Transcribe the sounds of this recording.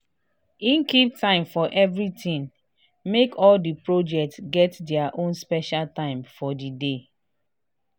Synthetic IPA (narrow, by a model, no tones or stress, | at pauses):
ĩnkiptãɪ̃mfɔʔɛvɹitĩn | mekɔldipɹod͡ʒɛk̚tsɡɛtdɛaʔõnspɛʃaltãɪ̃mfɔdide